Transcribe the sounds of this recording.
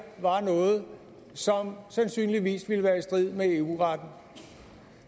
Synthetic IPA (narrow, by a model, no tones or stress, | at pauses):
ʋɑ̈nɔ̽ːð̞̩ˠ | sɒ̽msænsy̰ːnliʋḭːsʋiləʋæːɐisd̥ʁið̰ˠmee̝uʁɑd̥n̩